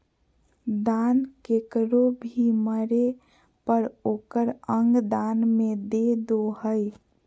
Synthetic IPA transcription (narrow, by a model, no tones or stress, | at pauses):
d̪ankekɾobʱiməɾe | pəɾoːkəɾəŋɡd̪anmẽd̪ed̪oɦəj